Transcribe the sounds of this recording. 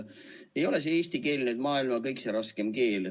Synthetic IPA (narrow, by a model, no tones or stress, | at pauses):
e̞jo̞les̬eeːsʲt̪ike̞ːlnyd̪mɑːilmɑkɤjkseɾɑskemke̞ːl